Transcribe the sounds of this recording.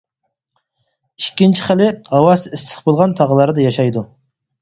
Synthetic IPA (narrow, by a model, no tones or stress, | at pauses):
ikʲːint͡ʃʰi̥χælɪhɑwɑsislə̥χbolˠʁɑnt̪ʰɑʁəlˠɑɾd̪ɑjɑʃɑjd̪u